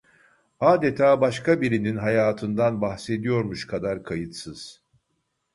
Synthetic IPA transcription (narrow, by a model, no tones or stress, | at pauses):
aːd̪e̞t̪ʰaːbaʃkʰabiɾininɦajaːt̪ʰɯnd̪anbaxse̞d̪ijo̞ɾmuʃkʰad̪aɾkʰajɯt̪sɯz̥